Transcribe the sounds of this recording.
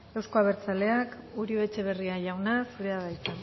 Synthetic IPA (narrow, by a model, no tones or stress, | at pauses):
e̞wsko̞aβ̞e̞ɾt͡sale̞ak | uɾioe̞t͡ʃe̞β̞e̞riaʝawnasuɾe̞aðajt̪a